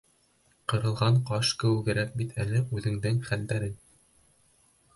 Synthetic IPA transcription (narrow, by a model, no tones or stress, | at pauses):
qɤ̆ɾɤ̆lˠʁɑɴqɑʃkɘ̆wɘ̆ɡɘ̆ɾæk̚bit̪ʰælɘʔʉðɘ̆ŋd̪ɘŋχæld̪æɾɘn